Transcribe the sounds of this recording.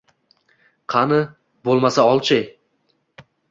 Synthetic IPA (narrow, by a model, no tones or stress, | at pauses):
qʰɑnɪ | bolˠmasaɒlˠt͡ʃʰɪj